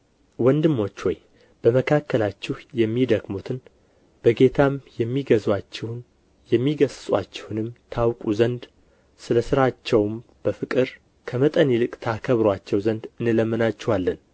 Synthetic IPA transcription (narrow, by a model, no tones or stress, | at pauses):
wɔnd̪ɨmːo̞t͡ʃːwɔj | b̥əməkʰakːəlat͡ʃːɪhjɛmːid̪əɡmut̪ʰɨn | b̥əɡe̞t̪ʰamjɛmːiɡəzwat͡ʃːɪhn | jɛmːiɡəssʼwa̰t͡ʃːɪ̥hunɨmt̪ʰawkʼuzənd̪ | sɨləsɨɾat͡ʃːɛwm | b̥əfɨkʼɨɾ | kʰəmət̪ʼənilɨkʼt̪ʰakʰəβɾwat͡ʃːɛwzənd̪ɨnːɨləmːɨnat͡ʃːɛhalːən